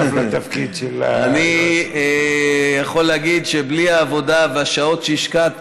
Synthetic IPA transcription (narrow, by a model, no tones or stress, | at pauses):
vlat̪afkid̪ʃel̰aniejaχo̞lːeaɡid̪ʃebliaːvo̞d̪aveaʃao̞t̪ʃeiʃkat̪̚